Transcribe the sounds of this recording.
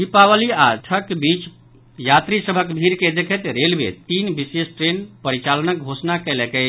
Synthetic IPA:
ɦipaʋəliaʈʰəkbit͡ʃ | jat̪ɾisəbʱəkbʱiɾked̪ekʰɛt̪ɾelbḛt̪inbisesʈɾenpəɾit͡ʃalənək̚ɡʱosnakɛlɛkɛ

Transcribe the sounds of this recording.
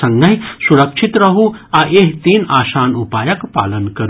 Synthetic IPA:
ɐŋɡɐɦisuɾɐkʂit̪ɾɐɦuaʔeɦt̪iːnaːʃaːnupaːjɐkpa̰ːlənkɐɾ

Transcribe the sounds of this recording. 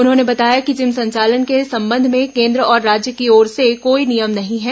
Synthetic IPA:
ʊnɦõːnebɐt̪aːjakid͡ʒɪmsɐ̃ɲt͡ʃaːlənkesɐ̃mbə̃nd̪ʱmẽkẽːnd̪ɾəɔːɾːaːd͡ʒjəkiɔːɾsekoːinijəmnɐɦĩɦɛː

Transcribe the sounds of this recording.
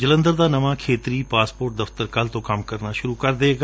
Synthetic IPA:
d͡ʒələ̃nd̪əɾd̪aːnəʋaːkʰeːt̪ɾiːpaːspoːɾʈ̚d̪əft̪əɾkəlt̪õːkɐmkəɾnaːʃʊɾuːkəɾd̪eːɡa

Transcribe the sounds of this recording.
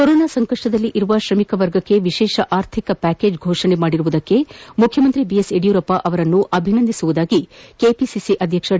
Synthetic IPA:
koɾoːnaːsɐŋkɐʂʈɐd̪ɐlːiʔiɾuʋɐʃɾɐmikɐʋɐɾɡɐkːe̞ʋiʃɛːʃɐʔaːɾt̪ʰikɐpæːke̞ːd͡ʒɡʱoːʂɐɳemaːɽiɾuʋud̪ɐkːe̞mukʰjɐmɐnt̪ɾibieseɖijuɾɐpːɐʔɐʋɐɾɐnːuʔɐbʱinɐnd̪isuʋud̪aːɡikeːpisisiʔɐd̪ʱjɐkʂɐ

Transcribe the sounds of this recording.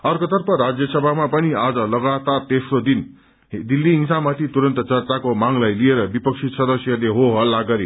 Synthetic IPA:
ʌrkʌt̪ʌrpʌɾad͡zjʌsʌbʱamapʌniad͡zʌlʌɡat̪art̪esrod̪in | d̪ilːiɦiŋsamat̪ʰit̪uɾʌnt̪ʌt͡sʌrt͡sakomaŋlajlieɾʌbipʌk̚t͡sʰisʌd̪ʌsjʌleɦoɦʌlːaɡʌɾi

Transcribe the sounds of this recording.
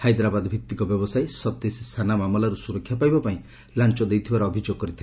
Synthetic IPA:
hajd̪ɾabad̪bʱik̚t̪ːikɔbjɔbɔsajsɔt̪esist̪ʰanamamɔlaɾusuɾɔkʰːjapajbapaĩ | lant͡ʃɔd̪ejt̪ʰibaɾɔːbʱid͡ʒoɡ̚kɔɾit̪ʰi

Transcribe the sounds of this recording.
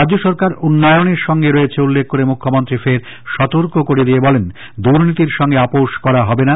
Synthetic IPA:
ɾadd͡ʑd͡ʑoʃɔɾkaɾunːɔjoneɾʃɔŋɡeɾoet͡ɕʰeulːekʰːoɾemukʰːomont̪ɾifeɾ | ʃɔt̪oɾkokoɾed̪iebɔlen | d̪uɾnit̪iɾʃɔŋɡeapoʃkɔɾaɦɔbena

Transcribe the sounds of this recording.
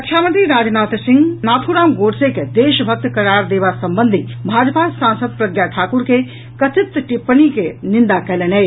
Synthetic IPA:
ɐkʰjaːmə̃nt̪ɾiɾaːd͡ʒnaːt̪sɪ̃ŋɡnaːt̪ʰuɾaːmɡoːɾseked̪eːʃbʱɐk̚t̪kɐɾaːɾd̪eːbasɐmbənd̪ʱibʱaːd͡ʒpasãːnsəd̪̚pɾɐɡjaʈʰaːkuɾke | kɐt̪ʰɪt̪ːʈipːənikenɪ̃nd̪akɐlenej

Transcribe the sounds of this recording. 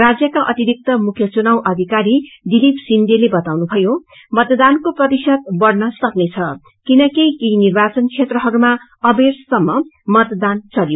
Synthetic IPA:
rad͡zjʌkaʔʌt̪iɾik̚t̪ʌmukʰjʌt͡sunawʔʌd̪ʱikaɾid̪ilipsind̪elebʌt̪awnubʱʌjo | mʌt̪d̪ankoprʌt̪isʌd̪bʌrnʌsʌknet͡sʰʌ | kinʌkijkinirbat͡sʌnt͡sʰet̪rʌɦʌɾuma | ʌbersʌmːʌmʌt̪d̪ant͡sʌljo

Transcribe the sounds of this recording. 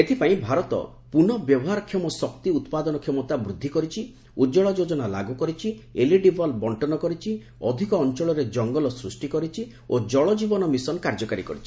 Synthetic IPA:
et̪ʰipaĩbʱaɾɔt̪ɔ̰ | punɔbjɔbɔɦaɾɔkʰjemɔsɔk̚t̪iut̪pad̪ɔnɔkʰemɔt̪abɾud̪ʱːikɔɾit͡ʃʰi | ud͡ʒɔɭɔd͡ʒod͡ʒɔnala̰ɡukɔɾit͡ʃʰieliɖibʱɔlbɔɳʈɔnɔkɔɾit͡ʃʰi | ɔd̪ʱikɔːnt͡ʃɔɭɔɾed͡ʒɔŋɡɔlɔsɾusʈikɔɾit͡ʃʰi | od͡ʒɔɭɔd͡ʒibɔnɔmisɔnkaɾd͡ʒɔkaɾikɔɾit͡ʃʰi̥

